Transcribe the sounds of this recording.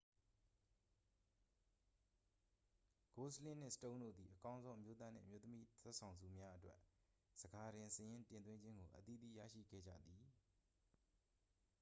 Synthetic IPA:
ɡ̥o˨˦səlɪ̃˦˨n̥ɪ̰̃˦˨sə̥tõ˦ndo̰˦˨d̪ði˨ʔəkã˦ʊ̃nzõ˦ʔəmjo˦t̪̬a˦n̥ɪ̰̃˦˨ʔəmjo˦t̪ə˦mi˦t̪ʰwɛ˦ʔsʰã˨ʊ̃nzṵ˨mja˦ʔətwɛ˦ʔ | z̥əɡa˨ɾɪ̃˨səjɪ̃˦tɪ̃˨nt̪wɪ̃˦ɲd͡ʑɪ̃˦ŋɡo˨ʔət̪i˦˨d̪ḭ˦˨ja̰˦˨ʃḭ˦˨ɡɛ̰˦˨d͡ʑä̰˦˨d̪i˨

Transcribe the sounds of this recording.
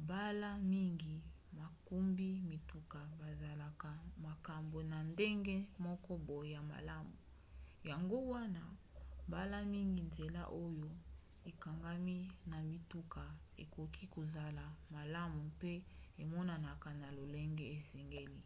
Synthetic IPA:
ba˦la˦mi˦ŋɡi˨ | ma˨ku˦mbi˦mi˨tu˨ka˨ba˨za˨la˨ka˨ma˨ka˨mbo˨na˨nde˦ŋɡe˦mɔ˦kɔ˦bo˨jja˨ma̰˨la˦mu˨ | ja˨ŋɡo˦wa˦na˦ | ba˦la˦mi˦ŋɡi˨nze˨la̰˦ʔo˦jo˦ | e˨ka˨ŋɡa˦mi˦na˨mi˨tu˦ka˨ | ḛ˨ko˨kʰi˦ko˨za˨la˨ma˨la˦mu˨pe˦e˨mɔ˦na˨na˨ka˨na˨lo˨le˦ŋɡe˦e˨sɛ˨ŋɡe˦li˦

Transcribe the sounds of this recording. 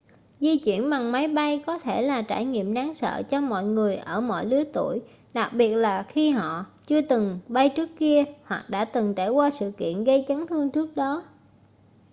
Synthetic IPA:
zi˧t͡ɕwḭ˧˩ənɓa˨˩ŋma˨˦jɓa˧jkɔ˨˦t̪ʰe˧˩laː˨˩t͡ɕa̰ː˧˩jŋḭ˧˨əmɗaː˨˦ŋsə̰ː˧˨t͡ɕɔ˧mɔ̰˧˨jŋɨ˨˩əjʔəː˧˩mɔ̰˧˨jlɨ˨˦ət̪u˧˩əj | ɗa˨˩k̚ɓi˨˩ət̚laː˨˩xi˧ɦɔ̰˧˨t͡ɕɨ˧ət̪ɨ˨˩ŋɓa˧jt͡ɕɨ˦˥əkːi˧əhwa˨˩k̚ɗa̰ː˧˥t̪ɨ˨˩ŋt͡ɕaː˧˩jkwaː˧sɨ̰˧˨kḭ˧˨ənɣə˧jt͡ɕa˨˦ŋt̪ɨ˧əŋt͡ɕɨ˦˥ək̚ɗɔ˨˦

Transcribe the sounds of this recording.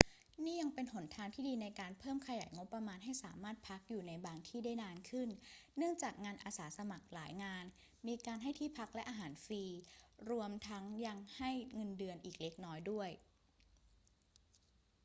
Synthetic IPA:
niː˥˩ja˧ŋpe˧npʰo˩˦nt̪ʰaː˧nt̪ʰiː˥˩diː˧na˧jkaː˧npʰɤː˥˩mkʰa˧ja̰ː˩˦jŋo˦˥pːɾa˧maː˧nɦa˥˩jsaː˩˦maː˥˩t̪̚pʰa˦˥k̚juː˨˩na˧jbaː˧ŋt̪ʰiː˥˩daː˥˩jnaː˧nkʰɯ˥˩nːɯ˥˩əŋt͡ɕaː˨˩k̚ŋaː˧nʔaː˧saː˩˦sa˧ma˨˩k̚laː˩˦jŋaː˧n | miː˧kaː˧nɦa˥˩jt̪ʰiː˥˩pʰa˦˥k̚lɛ˦˥ʔaː˧ɦaː˩˦nfiː˧ɾu˧əmt̪ʰa˦˥ŋja˧ŋha˥˩jŋɤ˧ndɯ˧ənʔiː˨˩k̚le˦˥k̚nɔː˦˥jdu˥˩əj

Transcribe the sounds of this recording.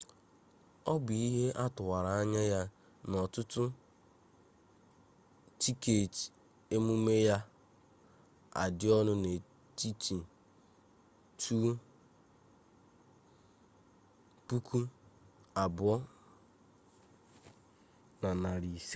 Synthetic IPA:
ɔ˦bi˦ɦe˦ʔa˦tʊ˨wa˨ɾa˨a˦ɲa˦ja˦ | nɔ˨tʊ˦tʊ˦ | ti˦ke˨ti̥˨ | e˦mu˦me˦ja˦ | a̰˨dɪ˦ɔ˦nʊ˦ne˨ | ti˦ti˨ | tʰu˦ | pu˦kʰu˦ | a˨bʊ˨˦ɔ˦ | na˨na˨ɾi˨se˦

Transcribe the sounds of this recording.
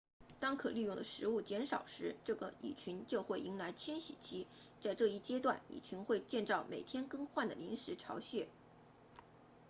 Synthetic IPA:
t̪ɑ˥ŋkʰɤ˨˩ly˥˧jʊ˥˩ŋd̪ə˩ʂɻ̩˧˥u˥˩t͡ɕjɛ˧˥nʂɑ˨˩ʊʂɻ̩˧˥ʈ͡ʂɤ˥˩ɡə̰˩ḭ˨˩t͡ɕʰy˧˥nt͡ɕjo˥˧ʊxwe˥˩ɪʔi˧˥ŋla˧˥ɪt͡ɕʰjɛ˥nɕḭ˨˩t͡ɕʰi˥ | t͡sa˥˧ɪʈ͡ʂɤ˥˧i˥˩t͡ɕjɛ˥t̪wa˥˩nḭ˨˩t͡ɕʰy˧˥nxwe˥˧ɪt͡ɕjɛ˥˧nʈ͡ʂɑ˥˩ʊmʔḛ˨˩ɪt̪ʰjɛ˥nkɤ˥˧ŋxwa˥˩nd̪ə̰˩li˧˥ŋʂɻ̩˧˥ʈ͡ʂʰɑ˧˥ʊɕɥɛ˥˩

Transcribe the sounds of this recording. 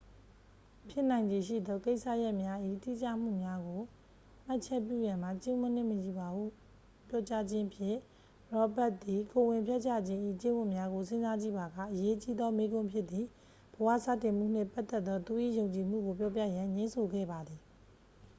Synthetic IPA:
pʰjɪ˦˨n̥ã˨ɪ̃ɲd͡ʑi˨ʃḭ˦˨d̪ɔ˦˨ke˦ɪʔsa̰˦˨ja˦ʔmja˦ʔḭ˦˨t̪ḭ˦˨t͡ɕa̰˦˨m̥ṵ˦˨mja˦ɡo˨ | m̥a˦ʔt͡ɕʰɛ˦p̬jṵ˦˨jã˨m̥a˨t͡ɕɪ̃˦mʊ̃˦˨n̥ɪ̰̃˦˨məji˨ba˨bu˦˨ | pjɔ˦t͡ɕa˦d͡ʑɪ̃˦ʔəpʰjɪ̰̃˦˨ | ɹɔ˦bɛ˦ʔ̚t̪i˨ko˨wɪ̃˨mpʰjɛ˦ʔt͡ɕa̰˦˨d͡ʑɪ̃˦ʔḭ˦˨t͡ɕẽ˦wʊ̃˨mja˦ɡo˨sɪ̃˦nza˦d͡ʑḭ˦˨ba˨ɡa̰˦˨ʔəje˦t͡ɕi˦d̪ɔ˦me˦ɡʊ̃˦pʰjɪ˦ʔ̪t̪ːi˨ | bəwä̰˦˨sa̰˦˨tɪ̃˨m̥ṵ˦˨n̥ɪ̰̃˦˨pa˦t̪ːɛ˦t̪ːɔ˦t̪u˨ʔḭ˦˨jõ˨ʊ̃ɲt͡ɕi˨m̥ṵ˦˨ɡo˨p̬jɔ˦p̬jä̰˦˨jã˨ɲẽ˦nsʰo˨ɡɛ̰˦˨ba˨d̪ði˨

